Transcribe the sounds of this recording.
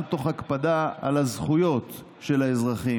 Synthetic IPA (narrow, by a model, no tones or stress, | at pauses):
t̪o̞χakpad̪aa̰lazχujo̞t̪ | ʃe̞laezʁaχi